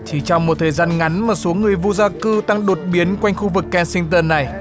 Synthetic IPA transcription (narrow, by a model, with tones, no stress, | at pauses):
t̪ʰi˨˩t͡ɕɔ˧wŋ͡mmːo˨˩t̚t̪ʰəː˨˩jzaː˧nŋa˨˦nmaː˨˩so˨˦ŋɨ˨˩əjvu˧zaː˧kɨ˧t̪a˧ŋɗo˨˩t̚ɓi˨˦ənkwa˧jŋ̟xu˧vɨ˨˩kːɛ˧nsi˧ŋt̪əː˧nːa˨˩j